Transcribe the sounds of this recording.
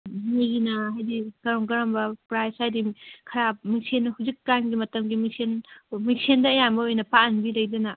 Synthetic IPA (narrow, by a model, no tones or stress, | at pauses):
mijinɐɦajdikɐɾɐmɡɐɾɐmbɐpɾajsajdikʰɐɾap̚misʰenhuwzikːanɡimɐtɐmɡimisʰenmisendɐːjambɐojnɐpaɐnbilɐjdɐnɐ